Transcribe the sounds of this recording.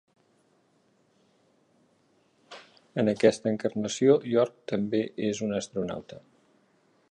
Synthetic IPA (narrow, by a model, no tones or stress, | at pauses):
ənəkɛst̪əːŋkərnəsioʎɔɾk̚t̪əmbeʔezunəst̪ɾuna̰wt̪ə